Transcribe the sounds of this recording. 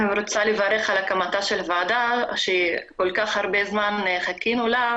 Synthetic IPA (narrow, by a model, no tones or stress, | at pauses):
ɾot͡salevaɾeχalakamat̪aʃelvaːd̪aʃeikolkaχhaʁbezmanχakinola